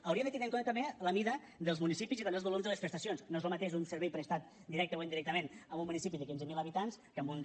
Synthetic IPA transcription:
əwɾiəd̪ət̪inaŋkonət̪əmbeləmiðə | ðəlˠzmunisipiziðonelˠzβolomzðəlˠəspɾəst̪əsionznoezləmət̪eʃunsəɾβɛjpɾəst̪at̪̚ | d̪iɾɛk̚t̪əwend̪iɾɛk̚t̪əmenəmumːunisipiðəkinzəmiləβit̪anskəmbun

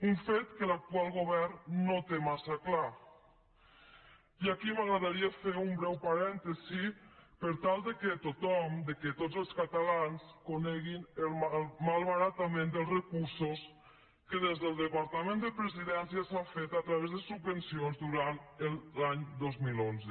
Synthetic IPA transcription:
uɱfet̪kəlak̚t̪ualˠɣoβɛrnnot̪emasakla | iakimaɣɾaðaɾiəfeumbɾɛwpaɾɛnt̪əzipəɾt̪alˠd̪əkət̪ut̪ɔmd̪əkət̪ozəlˠskat̪alanskonɛɣinəlmalˠβaɾat̪amẽnd̪əlˠrəkuɾsus | kəð̞ezðəlˠd̪əpaɾt̪amẽnd̪əpɾəziðɛnsjəsafet̪at̪ɾaβezðəsubːənsionzd̪uɾant̪əlˠlaɲd̪ozmilonzə

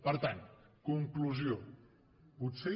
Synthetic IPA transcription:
pəɾt̪ankuŋkluzio | put̪se

